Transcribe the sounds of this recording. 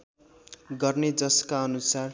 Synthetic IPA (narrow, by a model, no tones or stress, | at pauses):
ɡʌrned͡zʌskaʌnusar